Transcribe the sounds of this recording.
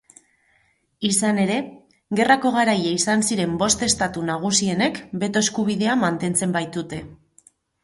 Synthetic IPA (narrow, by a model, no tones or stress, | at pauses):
isane̞ɾe̞ | ɣe̞rako̞ɣ̞aɾajeisansiɾe̞mbo̞st̪e̞st̪at̪unaɣ̞usie̞ne̞kbe̞t̪o̞e̞skuβ̞iðe̞amant̪e̞nt͡se̞mbajt̪ut̪e̞